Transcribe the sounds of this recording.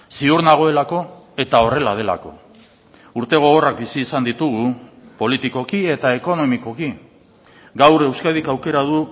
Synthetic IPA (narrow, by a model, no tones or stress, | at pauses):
siuɾnaɣ̞o̞e̞lako̞ | e̞t̪ao̞re̞lað̞e̞la̰ko̞̰ | uɾt̪e̞ɣ̞o̞ɣ̞o̞rak̚bisiːsand̪it̪uɣu | po̞lit̪iko̞kie̞t̪ae̞ko̞no̞miko̞ki | ɡawɾe̞wskaðikawke̞ɾað̞u